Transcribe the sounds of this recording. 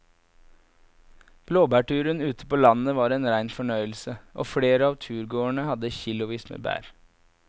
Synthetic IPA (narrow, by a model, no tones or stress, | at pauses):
b̥loːbæːʈʉːɾənʉːt̪ʰə̥poːlɑnəʋɑːɾeːnɾæɪnfɔɳœʏl̩səʔo̰ːfɽeːɾəɑːʋt̪ʰʉːɾɡoːəɳəhɑd̪əçɪlʊʋiːsmḛːbæ̰ːɾ